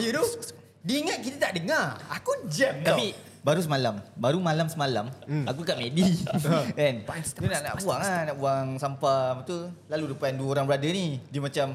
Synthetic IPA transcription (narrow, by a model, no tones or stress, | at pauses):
jud̪u | diːŋat̪̚kit̪at̪aʔdəŋarakud͡ʒɛmt̪api | baɾus̬əmalambaɾumalamsəmala̰ma̰k̬ukaʔmedi | ɛnt̪unaʔna̰ʔbuaŋanaʔbuaŋsampamt̪ulaludupanduəoɾaŋbəɾadənidimãt͡ʃam